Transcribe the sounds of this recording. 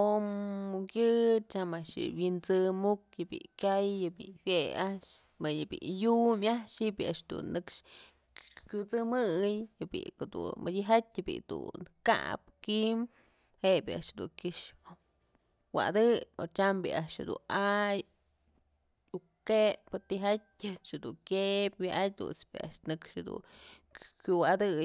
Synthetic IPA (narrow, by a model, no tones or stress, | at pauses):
omkʲjɨt͡ʃamaʔʂjɨ̰wint͡sɨmuk̚jɨbḭkʲajːɨbḭhjeaʔʂ | mɨjɨbḭʔjumaʃhiʔbʲiaʔʂd̪ṵnːɨkʂ | kʲut͡sɨmɨjhɨbḭked̪ṵnmɨd̪ʲiɦat̪ʲjɨbḭd̪ṵnka̰p̚kim | hebʲiaʔʂhed̪ṵkʲiʂ | wa̰d̪ɨoɾt͡ʃambḭaʔʂhḛd̪ṵnaj | u | kepɨt̪iɦatʲaʂhed̪uŋkʲep̚ʲbiʔat̚ʲd̪ṵnt͡sbḭa̰ʔʂnɨkʂhed̪ṵn | kʲuwad̪ɨ